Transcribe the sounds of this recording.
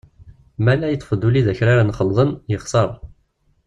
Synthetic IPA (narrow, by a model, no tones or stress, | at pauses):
mælæjət͡s̪ˤːfəd̪uliðæçɾaɾanχəlðˤənjəχsəɾˤ